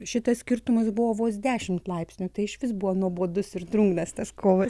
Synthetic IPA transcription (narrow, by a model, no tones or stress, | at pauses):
ʃʲɪt̪ɐssʲkʲɪrt̪ʊmɐsbʊʋoːʋoːs̬d̪ʲæːʃʲɪmt̪lˠɐɪpʲsʲnʲut̪ɐɪɪʃʋʲɪsbʊʋoːnuɔboːd̪ʊsɪɾd̪ɾuŋɡnɐst̪ɐskʰoːʋɐ